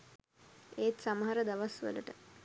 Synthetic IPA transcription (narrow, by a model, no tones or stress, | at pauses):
eːt̪saməɦaɾəd̪aʋasʋə̰ləʈə